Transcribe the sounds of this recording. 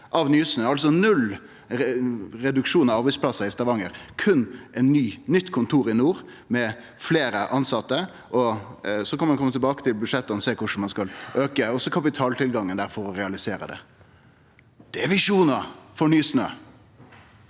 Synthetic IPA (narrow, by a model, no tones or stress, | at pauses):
ʔɑʋnyːsnøːɑlsɔnʉl | ɾɛd̪ʉkʂuːnɑʋɑːɾʋɪspʰlɑsɑɪst̪ɑʋɑŋəɾkʰʉnːʔɛnːyːnʏt̪ːkʰʊnt̪ʰuːɾɪnuːɾ | mɛ | fleːɾəʔɑnsɑt̪ːə | ʔɔsɔkʰɑnmɑnkʰɔmət̪ʰɛbɑːkət̪ɪlbʉd̪ʂɛt̪ːɑnɔseːkʊʂɳ̩mɑnskɑlʔøːkəɔsːɔkʰɑpɪt̪ʰɑːlt̪ʰɪlɡɑŋːənd̪æɾfɔɾɔɾɛɑlɪseːɾə̰d̪ɛ̰ | d̪̥ɛɛʋɪʂuːnɑfɔɳyːsnø̰ː